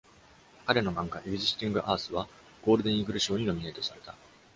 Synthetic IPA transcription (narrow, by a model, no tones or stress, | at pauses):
kaɾe̞no̞mãŋɡaʔibʲiʑist̪ʲĩŋɡɯ̟ʔaːsɨβa | ɡ̥o̞ːɾɯ̟d̪ẽ̞ɰ̃iɡɯ̟ɾɯ̟ɕo̞ːɲ̟ino̞mʲinait̪o̞saɾe̞t̪a